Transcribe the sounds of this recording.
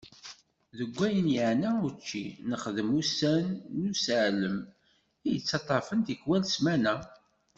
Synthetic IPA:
ðəɡʷːæjənjəʕnæut͡ʃːḭnəχðəmusænːusəʕləm | ijət͡sːɑt̪ˤːɑfənt̪əkwælsmænæ

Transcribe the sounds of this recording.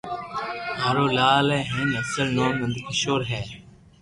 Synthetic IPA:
ɦaːɾoːlaːlɛ̃ːɦẽːnəsəlnoːnmənd̪kəʃoːɾɦɛː

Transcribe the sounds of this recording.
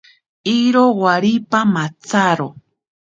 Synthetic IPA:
iɾowaɾipamat͡saɾo

